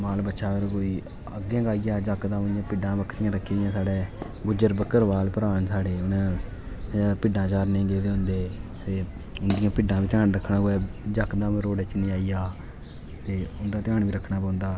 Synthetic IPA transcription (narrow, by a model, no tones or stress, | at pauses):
maːlbətːʃaːpəɾkoːiː | əɡãːɡaːijaːd͡ʒəkd̪ãːʊnd̪ɪjãːpɪɖãːbəkʰːɾɪjãːɾəkʰːiɪjãːsaːɽeː | ɡʊd͡ʒəɾbəkːəɾʋaːlpəɾaːnsaːɽeːʊnãː | pɪɖãːt͡ʃaːɾnĩːɡeːd̪eːɦʊ̃nd̪eːt̪eː | ʊnd̪ɪjãːpɪɖãːʋiːt̪ʰɪãːɳɾəkʰːɳaːɦʊɛːd͡ʒəkd̪ãːɾoːɽɛːt͡ʃnĩːaːijaː | t̪eːʊnd̪ãːt̪ɪãːɳʋiːɾəkʰɳaːpãːʊnd̪aː